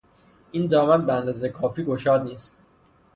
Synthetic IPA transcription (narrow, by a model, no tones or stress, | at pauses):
ʔiːnd̪ɒːmænbeænd̪ɒːzekʰɒːfiːɡo̞ʃɒːd̪niːst̪̚